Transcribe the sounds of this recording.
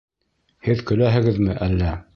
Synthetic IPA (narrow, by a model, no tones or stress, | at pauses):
hɘðkɵ̆læɦɘ̆ɡɘðmɘʔælːæ